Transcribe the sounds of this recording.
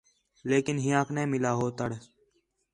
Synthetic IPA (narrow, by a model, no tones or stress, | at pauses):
leːkɪnɦɪjãːkʰnẽːmɪlaːɦoːt̪əɽ